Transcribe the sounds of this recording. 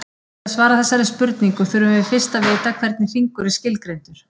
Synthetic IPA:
aðsvaːɾaθɛsːaɾɪðspʏɾt̪niŋkʏθʏɾʏmvɪfɪr̥st̪avɪːt̪akʰvɛɾt̪̚nɪθiŋkʏɾɪscɪlkɾejnt̪ʏɾ̥

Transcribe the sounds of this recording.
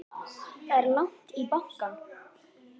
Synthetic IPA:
ɛɾlaŋ̥t̪ipahka

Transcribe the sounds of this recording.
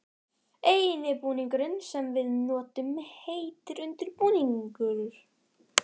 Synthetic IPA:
eːjɪnɪpuːniŋkʏɾɪnsɛmvɪðnɔːt̪ʏmheːjt̪ɪɾʏnt̪ɪɾpuːniŋkʏɾɾ̥

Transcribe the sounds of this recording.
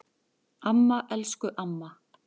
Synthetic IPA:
amːaʔɛlskʏʔamːa

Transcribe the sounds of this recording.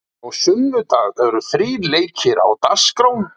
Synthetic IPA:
aɣsʏmːʏt̪aːɣɛɾʏθɾiːleːjcʰɪɾa̰wt̪askɾown

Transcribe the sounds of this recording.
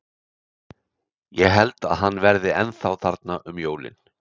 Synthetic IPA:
jɛɦɛlt̪a̰ðɦanːvɛɾðɪɛnθawθaɾt̪naʔʏmjoːwlɪ̰n

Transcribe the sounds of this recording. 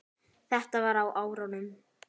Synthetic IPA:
θɛht̪avaɾawʔaːwɾawnʏm

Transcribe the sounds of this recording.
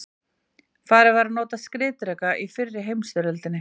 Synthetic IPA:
faːðɾɪvaɾanoːt̪askɾɪːt̪ɾɛkaʔifɪrːɪɦejmsvʏɾœlt̪ɪnːɪ

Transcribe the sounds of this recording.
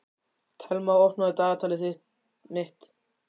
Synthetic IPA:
t̪ʰɛlmawɔhnaðɪt̪aːðat̪ʰaːlɪθɪ | mɪht̪

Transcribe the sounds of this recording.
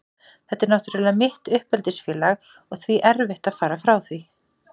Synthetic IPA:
θɛht̪ːɪɾnawht̪ʏɾvɛːðamɪht̪ʏhpɛlt̪ɪsfjɛːlaɣ | ɔɣθviʔɛɾvɪht̪aðfaːɾafɾawθvi

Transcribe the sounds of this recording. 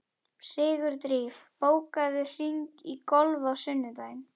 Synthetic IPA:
sɪːɣʏɾt̪ɾiːfpoːwkaðɪr̥iŋkikɔlvawsʏnːʏt̪ajn

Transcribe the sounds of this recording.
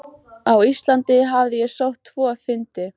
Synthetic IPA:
awist̪lant̪ɪɦavðɪjɛsowht̪ʰːvɔːfɪnt̪ɪ

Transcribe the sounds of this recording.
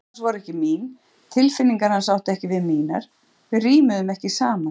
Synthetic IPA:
ansvɔɾɛhcɪmiːn | t̪ʰɪlfɪnːiŋkaɾ̥hansawht̪ɛhcɪvɪðmiːna̰ɾ̥ | vɪriːmʏðʏmɛhcɪsaːma

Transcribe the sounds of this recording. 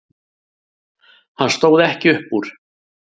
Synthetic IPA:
hanst̪oːwðɛhcɪʏhpuːɾ̥

